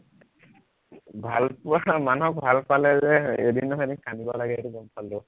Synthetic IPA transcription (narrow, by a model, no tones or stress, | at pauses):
bʱalpmanɦɔk̚bʱalpalɛzɛedinːɔɦdinkʰanibɔlaɡɛetuɡɔmpaldo